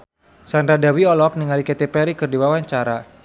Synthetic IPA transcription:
sand̪ɾadawiɔlɔk̚niŋaliket̪epɛɾikɨrdiwawaɲt͡ʃaɾa

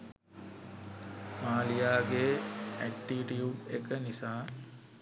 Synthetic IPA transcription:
maːlijaːɡeːæk̚ʈːiʈiuːpekənisaː

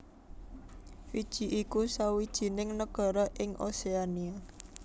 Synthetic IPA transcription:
fid̥ʒ̥i̤ʔikusawid̥ʒ̥i̤nɪŋnəɡ̥a̤ɾɔʔɪŋʔo̰seania

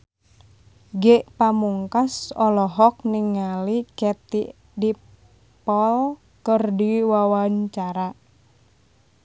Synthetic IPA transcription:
ɡɛʔpamuŋkasɔlɔɦɔk̚niŋalikɛt̪iʔ | di | pɔl | kərdiwawaɲt͡ʃaɾa

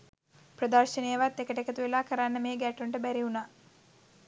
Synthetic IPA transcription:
prəd̪ərʃənejəʋat̪ːekəʈekət̪uʋelaːkəɾanːəmeːɡæʈuɳʈəbæɾiunaː

